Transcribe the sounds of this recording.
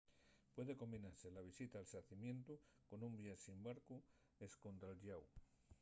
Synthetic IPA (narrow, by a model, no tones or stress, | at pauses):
pwe̞ðeko̞mbinaɾselaβ̞isit̪aːlsaθimjẽ̞nt̪u | ko̞nũmbjasimbaɾku | esko̞nt̪ɾalʎaw